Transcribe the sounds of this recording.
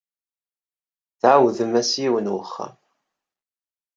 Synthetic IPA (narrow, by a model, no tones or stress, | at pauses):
θʕawðəmæsiwənwəχːa̰m